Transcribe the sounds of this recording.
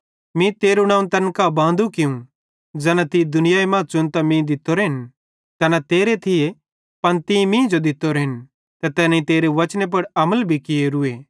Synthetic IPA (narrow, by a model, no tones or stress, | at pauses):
mĩt̪eːɾunãːũnt̪ɐnkabãːnd̪ʱukɪũ | d͡ʒɛːnat̪id̪ʊnɪjaimãːt͡ʃʊnt̪amĩd̪ɪt̪ːoɾɦɪn | t̪ɛnat̪eːɾet̪ʰɪje | pɐnt̪ĩmĩːd͡ʒod̪ɪt̪ːoɾɦɪn | t̪ɐt̪ɛːnĩt̪eːɾeʋɐt͡ʃnep̬ɐɽɐməlbʱikɪeɾʊe